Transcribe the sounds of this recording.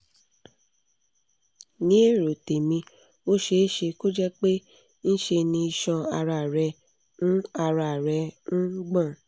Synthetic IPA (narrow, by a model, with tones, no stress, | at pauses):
nĩ˦e˦˨ɾo˨te˨mĩ˧ | o˦ʃe˧˦ʃe˧ko˦d͡ʒɛ˦k͡pe˦ | n̩˦ʃe˧nĩ˧i˧ʃɔ̃˧a˧ɾa˧˨ɾɛ˧ | nũ˦a˧ɾa˨ɾɛ˧ñ̩˦ɡ͡bã˦˨